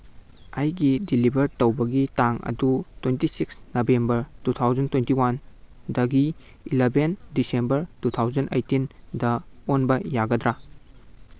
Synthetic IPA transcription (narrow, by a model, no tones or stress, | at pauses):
ɐjɡidilibɐɾtɐwbɐɡitaŋɐ̰dutwentisiksnɐbembɐɾtutʰawzɐntwentiwandɐɡi | ilebʱendisembɐɾtutʰawzɐnʔɐ̰jtindɐonbɐjaɡɐdɾa